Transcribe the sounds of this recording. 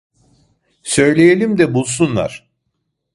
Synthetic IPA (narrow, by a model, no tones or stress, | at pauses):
sø̞jlʲejelʲimd̪ɛbulˠs̬unlˠa̰ɾ̝̥